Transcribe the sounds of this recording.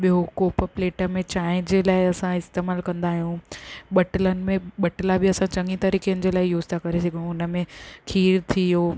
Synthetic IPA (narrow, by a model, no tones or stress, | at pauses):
ɓiɦokoːpəpleːʈəmẽt͡ɕaːɪ̃nd͡ʑeːlaːɪɐsãɪst̪eːmaːlkɐ̃nd̪aːɦijũɓɐʈələnɪ̆mẽɓɐʈlabɪɐsãt͡ɕɐ̃ŋɡit̪ɐɾiːkeənɪ̆d͡ʑeːlaːɪjuːd͡ʑt̪ʰakɐɾes̬ɐɡʱiũʊnəmẽkʰiːɾt̪ʰijoː